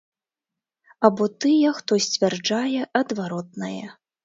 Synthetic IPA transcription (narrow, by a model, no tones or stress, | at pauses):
ɐbɔt̪ɨjɛxt̪ɔsʲt͡sʲvʲard͡ʐajɛʔɐd̪vaɾɔt̪̚nɐjɛ